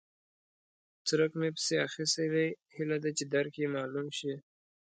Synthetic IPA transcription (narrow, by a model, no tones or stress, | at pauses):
t͡səɾəkmepə̥seaxist̪ewehilad̪at͡ʃed̪aɾkjemɑlumʃi